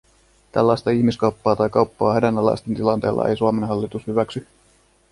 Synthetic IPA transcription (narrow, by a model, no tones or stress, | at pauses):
t̪æ̰lːɑjst̪ɑiçmiskɑwpːɑːt̪ɑjkɑuwpːɑːhedænːɑlːɑ̰jst̪ent̪ilɑnt̪e̞̰ːlːɑ̰ʔḛjsuɑmenɦɑlːit̪ushyʋæksy